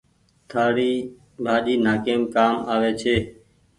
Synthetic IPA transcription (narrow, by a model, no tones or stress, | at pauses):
t̪ʰaːɾiː | bʱaːɗiːnaːkeːmkaːmaːʋeːt͡ʃʰeː